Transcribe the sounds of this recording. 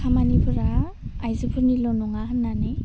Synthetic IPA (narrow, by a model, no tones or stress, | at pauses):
kʰamanibʰɯɾaː | jzɯbʰɯɾnilɔnɔŋaɦənːane